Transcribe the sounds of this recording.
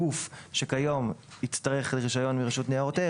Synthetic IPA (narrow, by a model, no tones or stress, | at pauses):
ufʃekajo̞mit͡staʁe̞χleʁiʃajo̞nmiʁeʃutneaʁote